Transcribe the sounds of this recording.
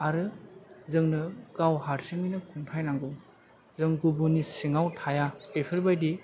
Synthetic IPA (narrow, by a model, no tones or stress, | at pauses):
aɾɯzɯŋnɯɡ̥awɦaɾsiŋinɯkʰuŋtʰajnaŋɡɯ | zɯŋɡubunisiŋawtʰajaepʰɯɾbajdi